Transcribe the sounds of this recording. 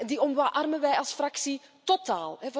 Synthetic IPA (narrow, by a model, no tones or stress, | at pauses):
diɔmʋaːʔɑrmənʋɛjɑlˠsfraksitotaːlˠɛv